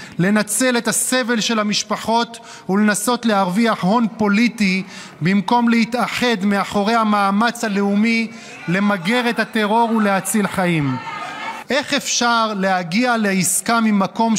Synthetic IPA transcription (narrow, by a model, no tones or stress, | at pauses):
le̞nat͡se̞let̪ase̞ve̞lʃe̞lamiʃpaχo̞t | ule̞naso̞tle̞aʁviaħho̞npo̞lit̪i | bimko̞mlehit̪aħe̞d̪meaħo̞ʁejhamaːmat͡shaleumi | le̞maɡeʁethat̪e̞ʁo̞ʁule̞hat͡silħaim | ʔe̞χe̞fʃaʁle̞haɡialeiskamimako̞m